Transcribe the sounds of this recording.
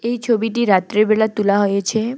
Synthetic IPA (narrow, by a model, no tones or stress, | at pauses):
ejt͡ʃʰobiʈiɾat̪ɾebeɭat̪ulaɦɔjet͡ʃʰe